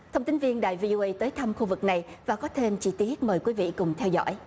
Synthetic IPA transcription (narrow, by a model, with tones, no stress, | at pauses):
t̪ʰə˧wŋ͡mt̪ŋ̟vi˧ənɗaː˨˩jvi˧ʔo˧ʔə˧jt̪əː˨˦jt̪ʰa˧mxu˧vɨ˨˩k̚na˨˩jvaː˨˩kɔ˨˦t̪ʰe˧mt͡ɕi˧t̪i˦˥ət̚məː˨˩jkwi˨˦vḭ˧˨kʊ˨˩ŋ͡mt̪ʰɛ˧wzɔ̰˧˥˨j